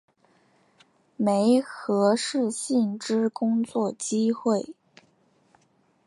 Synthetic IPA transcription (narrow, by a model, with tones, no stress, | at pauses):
me˧˥ɪxɤ˧˥ʂɻ̩˥˧ɕi˥˩nʈ͡ʂɻ̩˥kʊ˥ŋt͡swɔ˥˩t͡ɕi˥xwe˥˩ɪ